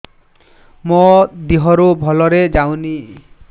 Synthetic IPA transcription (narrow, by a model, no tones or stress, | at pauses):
mɔd̪iɦɔɾubʱɔlɔɾed͡ʒawni